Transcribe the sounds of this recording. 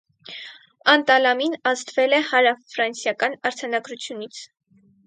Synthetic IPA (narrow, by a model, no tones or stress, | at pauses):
ɑnt̪ɑlɑminɑzt̪vɛlɛhɑɾɑfɾɑnsjɑkɑnɑɾt͡sʰɑnɑɡɾut͡sʰjunit͡sʰ